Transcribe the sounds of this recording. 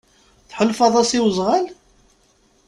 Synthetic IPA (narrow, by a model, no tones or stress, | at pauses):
θħəlfɑðˤɑsiwəzˤʁal